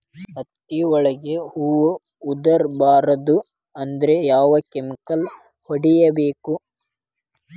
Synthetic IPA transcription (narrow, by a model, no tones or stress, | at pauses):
ɐt̪ːiɔɭɐɡeuːʋu | ud̪ɐɾbaːɾɐd̪u | ɐnd̪ɐɾejaːʋɐkemikɐl | hoɽijɐbeːku